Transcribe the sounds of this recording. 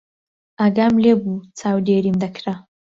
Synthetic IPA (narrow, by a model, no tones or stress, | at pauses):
aɡamlebut͡saːwdeɾimd̪ɐkʰɾa